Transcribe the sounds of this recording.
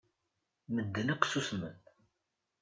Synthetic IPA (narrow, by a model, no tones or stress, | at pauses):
məd̪ːənəqːsusmə̰n